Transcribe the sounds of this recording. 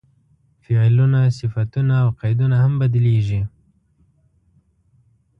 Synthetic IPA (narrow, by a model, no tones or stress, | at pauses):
fiʕlunasɪfat̪unawqajd̪unahambad̪liːʒi